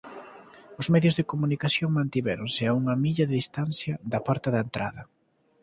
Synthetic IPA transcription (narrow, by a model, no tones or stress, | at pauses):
ʊzmɛðjozðekomunikaθjoŋmãnt̪iβɛɾonsɪauŋɐmiʎɐðɪðist̪anθjɐðɐpɔɾt̪ɐðɐent̪ɾaðɐ